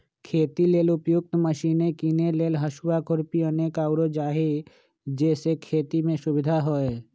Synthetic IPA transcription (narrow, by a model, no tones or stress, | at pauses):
kʰeːt̪ileːlʊpjʊk̚t̪məʃiːnekineleːlɦəʃwakʰʊɾpiəneːkaːʊɾod͡ʒaːɦe | d͡ʒɛːsekʰeːt̪imẽsʊʋɪd̪ʱaɦoe